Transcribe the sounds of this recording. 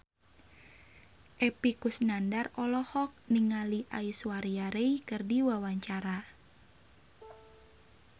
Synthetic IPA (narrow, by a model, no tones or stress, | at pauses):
ʔɛpikusnandarɔlɔhɔk̚niŋaliʔaisuwaɾiaɾeikɨrdiwawaɲt͡ʃaɾa